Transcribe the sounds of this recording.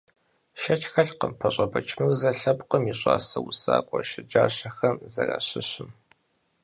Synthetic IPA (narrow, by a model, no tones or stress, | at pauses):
ʃɐt͡ʃʰʼxɐɬqəmpʰɐɕʼɐbɐt͡ʃʰmɨrzɐɬɐpʼqəmiɕʼa̰ːsɐwusaːkʷʼɔʃɪd͡ʒaːɕɐxɐmzɐra̰ːɕɪɕɪm